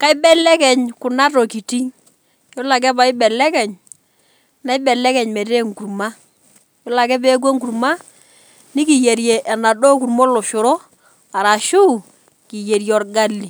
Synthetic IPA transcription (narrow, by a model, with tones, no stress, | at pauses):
ka˦ɪ˦bɛ˦lɛ˦kɛ˨ɲkʊ˨na˦tɔ˨ki˨ti˦ŋ | jɔ˦la˨k̬ɛ˦ba˨ɪ˦bɛ˨lɛ˦kɛ˨ɲ | na˨˦ɪ˦bɛ˨lɛ˦kɛ˨ɲmɛ˨te˦ŋku˨ɾma˦ | jɔ˦la˨kɛ˦pe˦k̬wo˦ŋku˨ɾma˦ | nɪ˦ki˨je˨ɾjɛ˨ʔɛ˨na˨dɔ˦ku˨ɾmɔ˦lɔ˨ʃʊ˨ɾɔ˦ | a˨ɾa˨ʃu˦ | ki˨je˨ɾjɔ˨rɡa˦lːi˨